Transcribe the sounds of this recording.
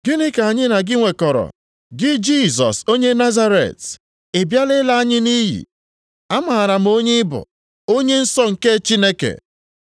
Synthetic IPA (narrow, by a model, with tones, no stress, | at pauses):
ɡ̥ɪ˦nɪ˦ka˨a˨ɲɪ˦na˨ɡɪ˦ŋʷe˨kɔ˨ɾɔ̰˨ | ɡɪ˦d͡ʒi˦˨sɔ̰˨so˦ɲe˦na˦za˦ɾḛ˨t | e˨bja˦lɪ˦la˦a˦ɲɪ˦ni˦ɦḭ˨ | a˦ma˨a˨ɾa˨m̩˦o˦ɲe˦ɪ˦bʊ̰˨ | o˦ɲe˦n̩˦sɔ˦ŋ̩˨ke˦t͡ʃi˦ne˦kḛ˨